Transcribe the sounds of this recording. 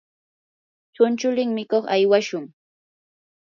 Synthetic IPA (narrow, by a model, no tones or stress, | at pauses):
t͡ʃʊnt͡ʃʊlɪŋmɪkoχajwaʃʊŋ